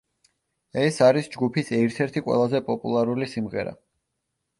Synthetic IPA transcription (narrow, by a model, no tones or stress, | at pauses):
ɛsaɾisd͡ʒɡupʰisɛɾt̪ʰɛɾt̪ʰiqʼwɛ̰lˠazɛpʼɔpʼṵlˠaɾulisimʁɛɾa̰